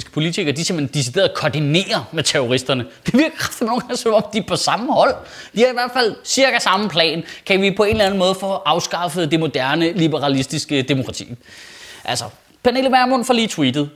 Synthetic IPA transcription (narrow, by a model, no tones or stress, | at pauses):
sɡ̥ə̥pʰo̝lit͡sʰiɡ̥ɐd̥isem̥end̥isid̥e̝̰ːɐð̩ˠkʰɒɐd̥ine̝̰ːɐmet͡sʰeʁoʁisd̥ɐnəd̥iʋiɐɡ̥ɐkʰɑ̥fd̥inoːŋ̥ɑŋsɒmɒ̽md̥ipʰɒ̽sɑ̈məhɒ̽l̰ | d̥ihɑ̈iʋæɐd̥fæl̰siɐɡ̥æsɑ̈m̩pʰlɛ̰ːnkʰæʋipʰɒ̽e̝nlæn̩mɔ̽ːð̞̩ˠfɔ̽ʔɑ̈ʊsɡ̥ɑ̈fəð̩ˠd̥e̝mo̝d̥æɐnəlibəʁɑ̈lisd̥isɡ̥əd̥e̝mokʰʁɑ̈t͡sʰḭːʔælsɒ | pʰæne̝ːlmæɐmonfɒ̽liːt͡sʰwḭːd̥ð̞̩ˠ